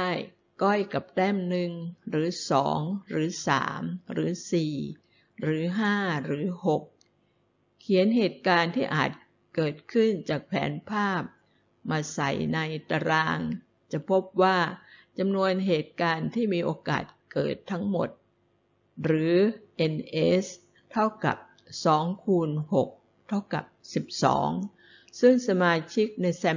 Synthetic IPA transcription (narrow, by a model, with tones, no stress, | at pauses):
a˥˩j | kɔ˥˩jka˨˩p̚t̪ɛː˥˩mnɯ˨˩ŋɾɯː˩˦sɔ̰ː˩˦ŋɾɯː˩˦sa̰ː˩˦mɾɯː˩˦siː˨˩ | ɾɯː˩˦ɦaː˥˩ɾɯː˩˦ho˨˩k̚ʰ | i˩˦ə˦nɦeː˨˩t̪̚kaː˧nt̪ʰiː˥˩ʔaː˨˩t̪̚ | kɤː˨˩t̪̚kʰɯ˥˩nt͡ɕaː˨˩k̚pʰɛ̰ː˩˦npʰaː˥˩p̚ | maː˧sa̰˨˩jna˧jt̪a˧ɾaː˧ŋ | t͡ɕa˨˩pʰo˦˥p̚waː˥˩t͡ɕa˧mnu˧ənɦeː˨˩t̪̚kaː˧nt̪ʰiː˥˩miː˧ʔoː˧ka̰ː˨˩t̪̚kɤ̰ː˨˩t̪ʰːa˦˥ŋmo̰˨˩t̪̚ | ɾɯː˩˦ʔe˧nʔe˦˥s | t̪ʰa˥˩wka̰˨˩p̚ | sɔː˩˦ŋkʰuː˧nho˨˩k̚ | t̪ʰa˥˩wka̰˨˩p̚si˨˩p̚sɔ̰ː˩˦ŋ | sɯ˥˩ŋsa˧maː˧t͡ɕʰi˦˥k̚na˧jsɛ˧